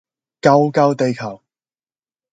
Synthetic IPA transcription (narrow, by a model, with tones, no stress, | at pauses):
kɐ˥wkɐ˥wt̪e˨jkʰɐ˨˩w